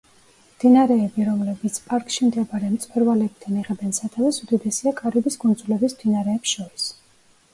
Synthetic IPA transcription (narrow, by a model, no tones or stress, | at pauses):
md̪inaɾɛːbiɾɔmlɛbit̪sʰpʼaɾkʼʃimd̪ɛbaɾɛmt̪sʼwɛɾvalɛbid̪aniʁɛbɛnsat̪ʰavɛsud̪id̪ɛsiakʼaɾibisɡund̪zulɛbismd̪inaɾɛːpsʃɔɾis